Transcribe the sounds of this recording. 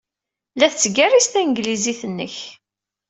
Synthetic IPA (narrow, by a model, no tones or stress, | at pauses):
læθt͡sːəɡærist̪ænɡliziθənːə̰ç